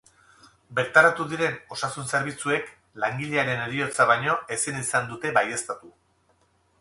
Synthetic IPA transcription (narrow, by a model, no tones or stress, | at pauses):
be̞ɾt̪aɾat̪uðiɾe̞no̞sasunse̞ɾβ̞it͡sue̞k | laŋɡiʎeaɾe̞neɾio̞t͡saβajɲo̞e̞sinisand̪ut̪e̞βaje̞st̪at̪u